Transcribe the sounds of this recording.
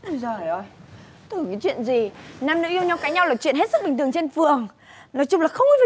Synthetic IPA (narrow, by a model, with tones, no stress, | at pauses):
zəː˨˩ʔo˧˩j | t̪u˧˩˨kaː˨˦jt͡ɕwḭ˧˨ənzi˨˩naː˧mnɨ̰˧˥ʔi˧əwɲa˧wkaː˨˦ɲa˧wlaː˨˩t͡ɕwḭ˧˨nɦt̚sɨ˦˥i˨˩ŋ̟t̪ɨ˨˩ə˩ŋt͡ɕe˧nfɨ˨˩əŋ | nɔ˨˦jt͡ɕʊ˧ŋ͡mlaː˨˩xə˧wŋ͡mi˧v